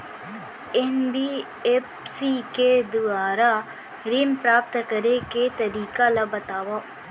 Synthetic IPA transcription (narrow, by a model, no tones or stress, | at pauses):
enbi | ep | siked̪ʊaːɾa | ɾimpɾaːp̚t̪kɐɾeket̪ɐɾiːkalabɐt̪aːʋa